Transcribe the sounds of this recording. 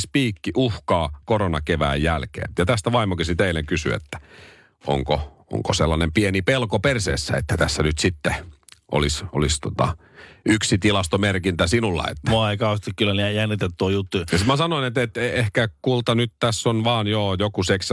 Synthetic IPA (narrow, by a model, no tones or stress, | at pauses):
spiːkːiʔuhkɑːkoronɑkeʋæ̰ːjjælkḛːjɑt̪æst̪æʋɑimokisit̪eileŋkysy̰ḛt̪ːæ̥ | o̰ŋko | o̰ŋkoselːɑnempienipelkopersḛːsːæ̰ḛt̪ːæt̪æsːænyt̪sit̪ːeʔo̰liso̰list̪ot̪ɑ̰ | ʔyksit̪ilɑst̪omerkint̪æsinulːɑ̰ḛt̪ːæoikɑost̪ikkylːænæjænːit̪et̪ːuɑjut̪ːujɑsmæsɑnoinet̪et̪ehkækult̪ɑnyt̪t̪æsːonʋɑːnjoːjokuseks